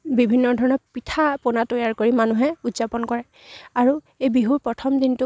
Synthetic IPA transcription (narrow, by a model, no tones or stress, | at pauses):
bibʱinːɔdʱɔɹɔnɔɹpitʰaponatojaɹkoɹimanuɦɛutzapɔnkɔɹɛ | aɹu | ejbiɦuɹpɹɔtʰɔmdintʊ